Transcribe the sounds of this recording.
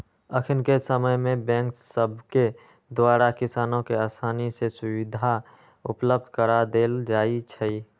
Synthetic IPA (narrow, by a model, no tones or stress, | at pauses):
əkʰɪnkesəməjmẽbɛ̃ːŋksəbʱke | d̪waːɾakɪsaːnõkeəst̪ʰaːnisesʊwid̪ʱa | ʊpləb̚d̪ʱkəɾad̪eːld͡ʒaːit͡ʃʰə